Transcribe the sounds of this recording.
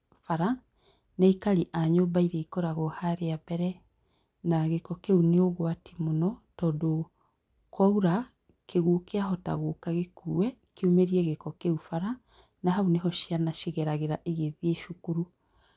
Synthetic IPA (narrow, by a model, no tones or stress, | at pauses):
faɾa | naikaɾiʔaɲɔbaiɾeikɔɾaɣɔhaɾeabɛɾɛ | naɣekɔkeuneoɣwatimonɔtɔːndo | kwauɾa | keɣuːkeaɦɔta̰ɣokaɣekuːwɛ | keomeɾiɛɣekɔkeufaɾa | naɦauneɦɔʃianaʃiɣɛɾaɣeɾaʔeɣeðieʃukuɾu